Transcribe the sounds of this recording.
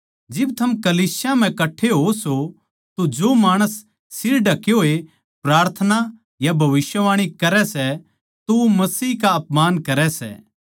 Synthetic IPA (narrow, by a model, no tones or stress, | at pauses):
d͡ʒɪbt̪ʰɐmkɐliːsɪjam̤ɛ̃kɐʈʰːeɦoso | t̪od͡ʒomaːɽ̃əsː | ɪɾɖɐkeɦoːe | pɾaːɾt̪ʰəna | jabʱɐʋɪʃjəʋaːɽ̃ikɐɾɛsɛ | t̪oʋomɐsiːkaɐpmaːnkɐɾɛsɛ̰ː